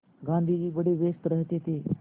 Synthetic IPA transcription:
ɡãnd̪ʱiːd͡ʒiːʋəɽeʋest̪ɾəɦt̪et̪e

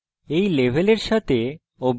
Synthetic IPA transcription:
ejlebʱeleɾʃat̪ʰe | obʱ

